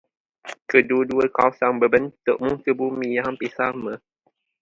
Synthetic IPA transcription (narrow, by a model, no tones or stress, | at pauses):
kəduduəkawsaŋbəbənt̪ʊʔ̚muŋkəbumijampisamə